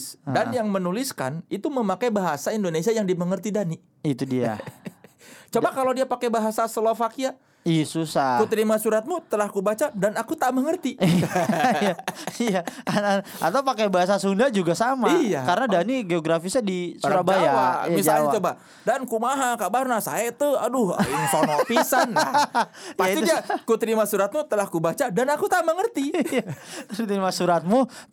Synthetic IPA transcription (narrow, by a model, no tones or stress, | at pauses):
danjaŋmənuliska̰nit̪uməmakajbaɦasaindonesiajaŋdiməŋərt̪idani | it̪udia̰ | t͡ʃobakalodiapakebaɦasasəlofakia | isusakut̪əɾimasuɾat̪̚mut̪əlahkubat͡ʃadanakut̪aməŋərt̪iijaijaaa̰t̪aupakabaas̬asundad͡ʒuɡasamaijakaɾənadaniɡeoɡɾafisadisuɾabaajaajmisd͡ʒaalat̪uba | dankumaɦakabarnasa̰et̪əa̰dʊhinsɔnɔfisanapaaiiakut̪əɾimasuɾat̪̚mut̪əlahkubat͡ʃadanakut̪aməŋərt̪iat̪it̪əɾimasuɾat̪̚mu